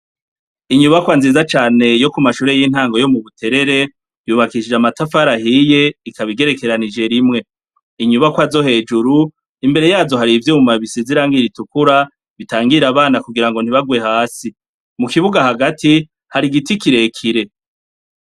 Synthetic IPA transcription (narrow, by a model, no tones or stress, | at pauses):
iɲuβakwanziːzat͡ʃaːne̞jo̞kumaʃuːɾe̞jin̥haːŋɡo̞jo̞muβutʰe̞ɾe̞ɾe̞ | juːβakiʃid͡ʒamatafaɾaɦije̞ikʰaβiɡe̞ɾe̞ke̞ɾanid͡ʒe̞ɾimŋe̞ | iɲuβakwazo̞ɦe̞ːd͡ʒuɾu | imbe̞ɾe̞jaːzo̞ɦaɾivjuːmaβisiziɾaːŋɡiɾitukuɾa | βitaːŋɡiɾaβaːnakuɡiɾaŋɡo̞n̥hiβaɡwe̞haːsi | mukiβuɡahaɡatʰi | haɾiɡitikiɾe̞kʰiɾe̞